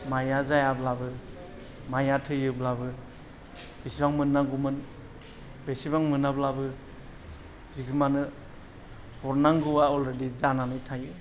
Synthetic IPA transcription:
majazajablabɯ | majatʰɯjɯblabɯ | b̥esibaŋmɯnːaŋɡumɯn | besibaŋmɯnablabɯ | zikʰɯmanɯ | hɔɾnaŋɡuwaɔlɾedizananɯjtʰajɯ

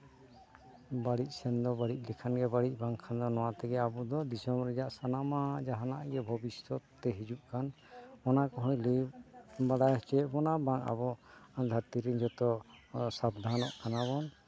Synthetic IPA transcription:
baɽic̚sɛnd̪ɔbaɽic̚ˀlikʰanɡɛbaɽic̚ˀbaŋkʰand̪ɔnɔwat̪ɛɡɛabɔd̪ɔd̪isɔmɾɛd͡ʒaʔsanamad͡ʒaɦanaʔɡɛbʱɔbisɔt̪ːt̪ɛɦid͡ʒuʔkan | ɔnakɔɦɔjlibaɽajt͡ʃɛʔbɔnabaŋa̰bɔand̪ʱat̪iɾiɲd͡ʒɔt̪ɔsab̚d̪ʱanɔʔkanaβɔn

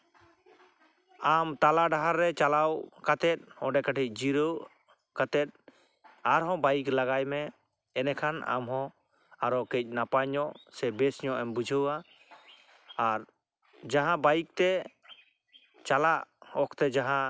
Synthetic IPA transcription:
amt̪alaɖaɦaɾːɛt͡ʃalawkat̪ɛt̪̚ɔɖɛkaʈʰic̚ˀd͡ʒiɾəw | kat̪ɛt̪̚ | aɾɦɔ̃bajiklaɡajmɛ | ɛnɛkʰana̰mɦɔ̃ | aɾɔkɛc̚ˀnapaɲɔʔsɛbɛsɲɔʔɛmbud͡ʒʱəwa | aɾ | d͡ʒaɦãbajik̚t̪ɛ | t͡ʃalaʔɔkʰt̪ɛd͡ʒaɦã

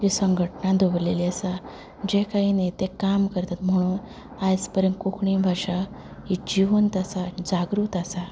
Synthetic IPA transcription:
d͡ʑisəŋɡʱəʈnad̪ʱobleliasa | d͡ʑekaɦinet̪ekamkəɾt̪at̪m̤əɽ̃uːn | ajt͡spəɾjənkukʰɳibʱaʂa | ɦid͡ʑiʋunt̪asad͡zaɡɾuːt̪asa

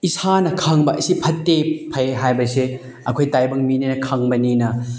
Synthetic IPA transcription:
isanɐkʰaŋbɐʔɐsipʰɐtːepʰɐjɦajbɐse | ɐkʰojtajbɐŋmininɐkʰaŋbɐninɐ

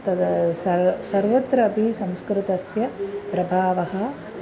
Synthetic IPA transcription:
t̪ɐɐsɐsɐɾʋɐt̪ɾɐːbʱisɐmskɾɪt̪ɐsjɐpɾɐbʱaːʋɐɦɐ̆

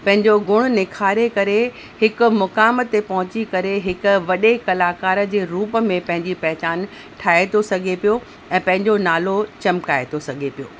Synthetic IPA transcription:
pɐ̃ɦɪ̃ɲd͡ʑoɡʊɽ̃ʊ̆nɪkʰaːɾekɐɾe | hɪkʊ̆mʊkaːmət̪ːepɐɦʊ̃t͡ɕikɐɾeɦɪkʊ̆ʋɐɗekɐlaːkaːɾəd͡ʑeːɾuːpə̆mẽpɐ̃ɦɪ̃ɲd͡ʑipɛɦɪt͡ɕaːn | ʈʰaːet̪ʰosɐɡʱepijo | ɛ̃ːpɐ̃ɦɪ̃ɲd͡ʑonaːlot͡ɕɐmkaːet̪ʰosɐɡʱepijoː

